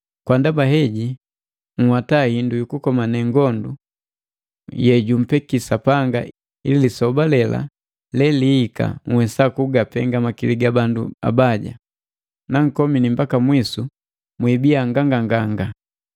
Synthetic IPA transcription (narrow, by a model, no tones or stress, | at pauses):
kwandabaɦɛɟi | ŋ̩hwatahindujukukɔmanɛŋɡɔndu | jɛɟum̩pɛkisapaŋɡa̰ | ḭlilisɔbalɛla̰ | lɛliːka̰ŋ̩wɛsakuɡapɛŋɡamakiliɡabandua̰baɟa̰ | naŋ̩kɔminimbakamwisu | mwibiaŋɡaŋɡaŋɡaŋɡa